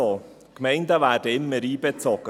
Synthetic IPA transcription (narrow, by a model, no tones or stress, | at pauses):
oː | kmɛɪndəvæːd̥əɪmːəɾiːbɛt͡sɔɡ̥ə